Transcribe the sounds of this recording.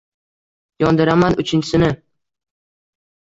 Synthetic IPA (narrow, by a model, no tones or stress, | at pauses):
jɒnd̪ɪɾamanʊt͡ʃʰɪnt͡ʃʰɪsɪnɪ